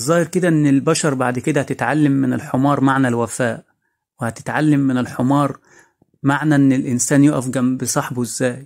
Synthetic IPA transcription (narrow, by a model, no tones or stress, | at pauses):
zˤɑːhɪɾkɪd̪æʔɪnːɪlbæʃɑɾˤbaʕd̪kɪd̪æhæt̪ɪt̪ʕalːamːɪnɪlħomɑːɾˤmaʕnælwæfæːʔ | wɪhæt̪ɪ̥t̪ʕalːamːɪnɪlħomɑːɾˤ | maʕnæʔɪnːɪlʔɪnsæːnjoʔæfɡæmbɪsˤɑħbuʔɪzːæːj